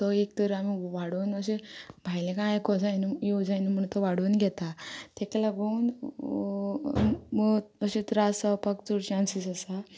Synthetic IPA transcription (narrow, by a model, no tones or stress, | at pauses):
t̪ɔek̚t̪əɾamiʋaɽuːnəɕebʱajlẽkãjkɔd͡zajnujod͡zajnum̤əɳt̪ɔʋaɽuːnɡʱɛt̪at̪ɛklaɡoun | məɕit̪ɾasapəkt͡suɾt͡ɕansisəsa